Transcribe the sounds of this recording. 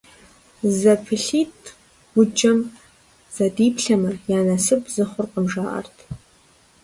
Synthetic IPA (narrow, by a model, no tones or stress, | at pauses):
zapʰɨɬit | ɡ̥ʷʊd͡ʒɐm | z̥adipʰɬamɨrjaːnasɨpʰʼzɨχʷʊrqʼəmʐaʔa̰rtʰʼ